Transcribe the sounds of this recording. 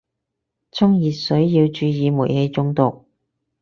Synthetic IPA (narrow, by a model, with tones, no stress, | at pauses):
t͡sʰʊ˥ŋjiː˨t̚sɵ˨˥ɥjiː˧wt͡ʃyː˧jiː˨˧mṵː˨˩jhe˧jt͡sʊ˧ŋt̪ʊ˨k̚